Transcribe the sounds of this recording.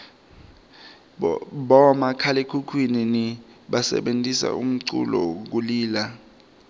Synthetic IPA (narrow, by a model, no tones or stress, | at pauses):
ɓɔmakʰalekʰukʰwininiɓasɛ̰ɓentʼisa̰um̩ǀṵlɔ̰k̬uliːla